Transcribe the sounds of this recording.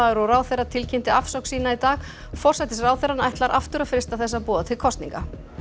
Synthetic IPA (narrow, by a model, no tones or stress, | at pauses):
aɛɾɔraːwθɛɾat̪ʰɪlcʰɪnt̪ɪafsɔwksiːnait̪aːɣ | fɔrsɛjt̪ɪsraːwðθɛɾanajht̪laɾʔa̰ft̪ʏɾafɾɪst̪aθɛsːapɔːðat̪ʰɪlkʰɔst̪niŋka